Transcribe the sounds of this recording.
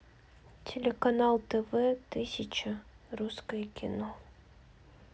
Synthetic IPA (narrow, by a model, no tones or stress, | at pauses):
tʲʰelʲɛkɐnɑlˠt̪ɛvɛt̪ɪsʲɐt͡ʃɐ | ruskɔjɛkʲḭnɔ